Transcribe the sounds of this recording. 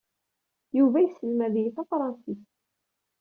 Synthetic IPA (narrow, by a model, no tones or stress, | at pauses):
juvæjsːəlmæðjiθɑfɾˤɑnsiθ